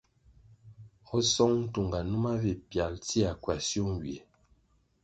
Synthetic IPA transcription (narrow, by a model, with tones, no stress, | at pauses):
ɔ˦sɔ˦ŋn̩˦tu˨ŋɡa˨nu˦ma˦vi˨pja˨lti˦a˨kwa˨sjo˦ŋ˨wi˨e˨